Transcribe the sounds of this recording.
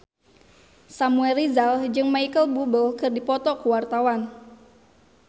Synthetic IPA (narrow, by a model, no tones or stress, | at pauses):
samuɛlrizald͡ʒɨŋmaikəlbubəlkɨrdipɔt̪ɔkuwart̪awan